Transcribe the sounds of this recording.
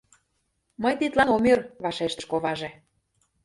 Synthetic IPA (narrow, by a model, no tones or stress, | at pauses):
məjt̪it̪lɑnomʲerβɑʃeʃt̪ə̥̆ʃkoβɑʒe